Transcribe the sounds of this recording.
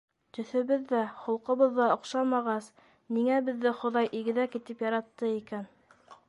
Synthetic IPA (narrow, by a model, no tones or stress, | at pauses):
t̪ɵ̆θɘ̆βɘðːæχŏlˠqɤ̆βɤðːɑŏqʃɑmɑʁɑs | miŋæbɘ̆ðːɘχŏðɑjʔiɡɘ̆ðækit̪ɘpjɑɾɑt̪ːɤikæn